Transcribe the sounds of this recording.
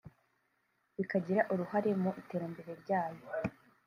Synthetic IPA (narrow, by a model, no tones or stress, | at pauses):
βikaɟiɾaʔuɾuhaɾe̞muʔite̞ːɾambe̞ɾe̞ɾɟaːjo̞